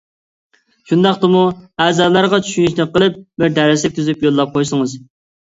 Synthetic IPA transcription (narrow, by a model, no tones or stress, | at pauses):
ʃund̪ɑqt̪ɨmuæːzɑːlˠɑɾʁɑt͡ʃʰy̥ʃyniʃnɨqːəlˠɨp̚bɪɾd̪ɛɾɪslɪk̚ʲt̪ʰyzypjolˠːɑp̚qʰojsɨŋɨz